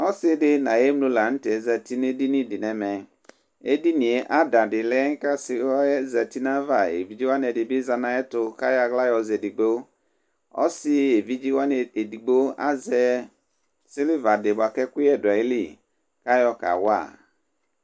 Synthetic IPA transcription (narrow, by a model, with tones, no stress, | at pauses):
ɔ˦sɪ˦dɪ˦nã˨e˦m˦lo˦la˨˦n̩˦tɛ˨˦za˨ti˦ne˦di˦nĩ˦˨di˨nɛ˨mɛ˨ | e˦di˦nĩ˨e˨˦ʔa˦da˨dɪ˨lɛ˦ŋ˦ka˦sɪ˨˦ɔ˦ɛ˦za˨ti˦na˦va˨ḛ˨vi˦d͡ʒi˦wa˦n˨ɛ˨dɪ˨bɪ˦za˨na˨˦ɛ˦tʊ˨ka˦ja˨ɣla˦jɔ˨zɛ˨di˨ɡ͡bo˦ | ɔ̰˦sɪ˦e˨vi˦d͡ʒi˦wa˦n˨e˨di˨ɡ͡bo˦a̰˦zɛ˨ | sɪ˦lɪ˦va˨dɪ˨ba˨kɛ˦kʊ˦ɛ˦˨dʊ˨a˨i˦li˦˨ | ka˦jɔ˦ka̰˨wa̰˦˨